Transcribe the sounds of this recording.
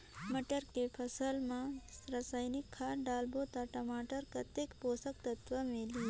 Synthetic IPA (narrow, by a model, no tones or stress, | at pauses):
mɐʈəɾkepʰɐsəlmãɾasaːjnɪkʰːaɖaːlbot̪aʈɐmaːʈəɾkɐt̪ekpoːsək̚t̪ɐt̪ʋəmẽli